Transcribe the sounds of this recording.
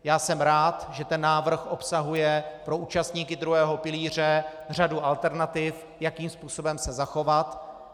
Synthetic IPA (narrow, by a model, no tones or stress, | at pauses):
jaːsɛmɾaːt̪ʒɛt̪ɛnːaːvr̩xʔo̞psaɦujɛpɾo̞ʔuːt͡ʃast̪ɲiːkɪd̪ɾuɦɛːɦo̞pɪliːr̝ɛr̝aduʔalt̪ɛɾnat̪ɪf | jakiːmspuːso̞bɛmsɛzaxo̞vat̪